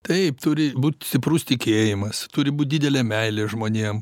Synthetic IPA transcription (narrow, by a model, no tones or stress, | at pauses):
t̪ɐɪpt̪ʊɾʲɪbuːt̪ʲsʲt̪ʲɪpɾʊst̪ʲɪkʲeːjɪmɐst̪ʊɾʲɪbuːt̚ʲdʲiːd̪ʲɛlʲeːmʲɛɪlʲeːʒmoːnʲiɛm